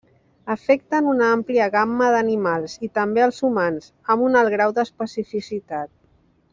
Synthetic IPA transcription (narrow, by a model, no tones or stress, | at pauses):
əfɛk̚t̪ənunampliəɣamːəðənimalˠzit̪əmbeəlˠzumanz | əmunəlˠɣɾawd̪əspəsifisit̪at̪̚